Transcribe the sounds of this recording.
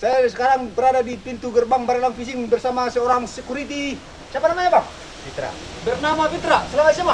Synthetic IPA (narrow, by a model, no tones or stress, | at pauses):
sajasəkaɾaŋbəɾadadipint̪uɡərbaŋbaɾalaŋfisɪŋbərsamasəoɾaŋsəkuɾit̪i | t͡ʃiapanamaɲabaŋ | pit̪ɾa̰ | bərnamapit̪ɾasəlamat̪saba